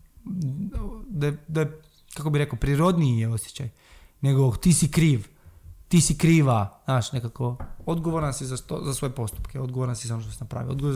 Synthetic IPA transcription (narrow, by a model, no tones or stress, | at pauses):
d̪aed̪aje | kakobiɾe̞kaopɾiɾo̞d̪niijeo̞sjet͡ɕaj | ne̞ɡot̪iːsikɾiːʋ | t̪iːsikɾiːʋaznaːʃne̞kakood̪ɡoʋoɾansizat̪ozasʋo̞jepo̞st̪u̥pkeo̞d̪ɡoʋoɾansizao̞noʃt̪osinapɾa̰ʋḭood̪ɡoʋo